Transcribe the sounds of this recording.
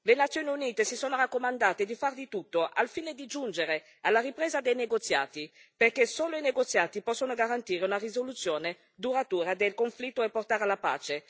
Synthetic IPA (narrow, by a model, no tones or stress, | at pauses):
lenat̪sjoːniuniːt̪esisoːnoɾakːomand̪aːt̪ed̪ifard̪it̪ut̪ːoʔa̰lfiːned̪id͡ʒund͡ʒeɾe | alːaripɾeːzad̪ejneɡot̪sːja̰ːt̪iperkesoːloineɡot̪sːjaːt̪ipɔsːonoɡaɾant̪iːɾeunarizolut̪sːjoːne | d̪uɾat̪uːɾad̪elkoɱflit̪ːoepːort̪aːɾalapa̰ːt͡ʃe